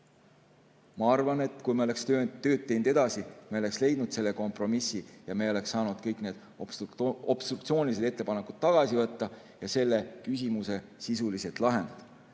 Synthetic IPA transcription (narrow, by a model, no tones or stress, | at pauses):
mɑɑrvɑne̞t̪ːˑkujmeo̞le̞kst̪øːnːø̞ːt̪ːe̞jnd̪e̞d̪̥ɑsimeole̞ksle̞jd̪̥nud̪̥se̞lːe̞ko̞mpˑro̞misːijɑmeo̞le̞ksːɑːnud̪̥kɤjkne̞ːd̪̥ | ob̥st̪ruk̚t̪sio̞ːnʲilis̬ed̪e̞t̪ːe̞pɑnekːˑud̪̥t̪ːɑɡ̥ɑsivɤt̪ːɑ | jɑse̞lːe̞kys̬ʲimuse̞sisuliset̪lɑɦe̞nd̪ɑd̪̥